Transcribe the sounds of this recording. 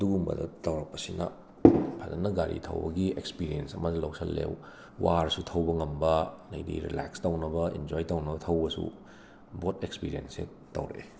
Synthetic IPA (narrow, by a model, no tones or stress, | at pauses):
ɐduɡumbɐ̰dɐ̰tɐwɾɐk̚pɐsinɐ̰ | pʰazɐnːɐɡaɾitʰɐ̰wbɐɡiekspiɾiensɐmɐzilowsʰɐlːḛw | waɾsutʰɐwbɐŋɐmbɐnɐjdḭɾḭlakstɐwnɐbɐind͡ʒojtɐwnɐbɐtʰɐwbɐsṵ | botekspiɾiense | tɐ̰wɾe